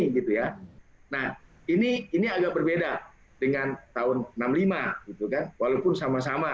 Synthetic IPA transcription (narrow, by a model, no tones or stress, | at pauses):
ɡit̪ujanah | iniiniaɡak̚bərbeda | dəŋant̪aʊnənamlimaɡit̪ukanwalaupʊnsamasama